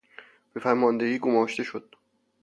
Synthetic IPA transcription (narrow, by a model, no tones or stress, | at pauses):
b̥efæɾmɒːnd̪eɡiːɡomɒːʃt̪e̞ʃod̪̥̚